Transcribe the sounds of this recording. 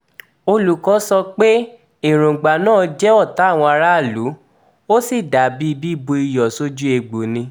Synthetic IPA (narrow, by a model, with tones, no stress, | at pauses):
o˧lu˨kɔ˨˦sɔ˧k͡pe˦ | i˨ɾ̃ũ˨ɡ͡ba˨nãː˦˨d͡ʒɛ˦ɔ˦˨ta˨˦˨w̃ɔ̃˧a˧ɾa˦˨lu˨˦ | o˦si˦˨da˨bi˦i˦˧bi˦˨bo˧i˧jɔ˨so˦d͡ʒu˦e˧ɡ͡bo˨nĩ˧